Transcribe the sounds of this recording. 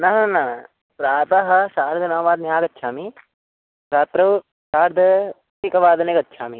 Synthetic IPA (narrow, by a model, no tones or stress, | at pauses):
nɐɦɐnɐ | pɾaːt̪ɐɦɐsaːɾd̪ʱɐnaːʋaːd̪̚njaːkɐtːʃʰaːmi | ɾaːt̪ɾɐ | saːɾd̪ʱɐ | tikɐʋaːd̪nekɐtːʃʰaːmi